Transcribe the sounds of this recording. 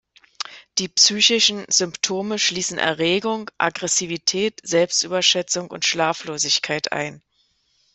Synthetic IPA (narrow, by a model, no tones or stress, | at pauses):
d̥iːpsyːçɪʃn̩z̥ʏmptʰoːməʃliːsn̩ʔɛ̰ɐʁeːɡʊŋʔa̰ɡʁɛsivitʰɛːtz̥ɛlpstʔyːbɐʃɛt͡sʊŋʊ̰ntʃlaːfloːzɪçkʰaɪtʰʔa̰ɪn